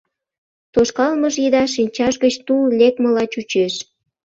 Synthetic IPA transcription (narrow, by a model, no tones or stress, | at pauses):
t̪oʃkɑlməʒjid̪ɑʃinʲt͡ɕɑʃɡət͡ɕt̪ullʲekməlɑt͡ɕut͡ɕeʃ